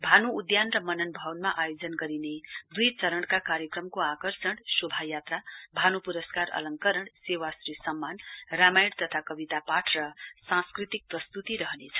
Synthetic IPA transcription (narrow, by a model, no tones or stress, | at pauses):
bʱanuːd̪janrʌmʌnʌnbʱʌwnmaʔajod͡zʌnɡʌɾined̪ujt͡sʌɾʌɽ̃kakaɾjʌkrʌmkoakʌrsʌɽ̃subʱajat̪rabʱanupuɾʌskaɾʌ̰lʌŋkʌɾʌɽsewasɾisʌmːanramajɽt̪ʌt̪ʰakʌbit̪apaʈʰrʌsãskrit̪ik̚prʌst̪ut̪iɾʌɦʌnet͡sʰʌ̥